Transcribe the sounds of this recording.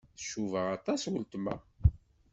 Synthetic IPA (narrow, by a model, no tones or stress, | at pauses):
θə̥ʃːuvəʁɑt̪ˤɑswəlt̪mæ̰